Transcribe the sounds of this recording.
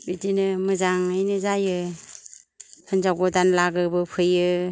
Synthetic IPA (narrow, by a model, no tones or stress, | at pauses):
bitinɯmɯzaŋɯjnɯzajɯ | hɯnzawɡɔdanlaɡɯbɯpʰɯjɯ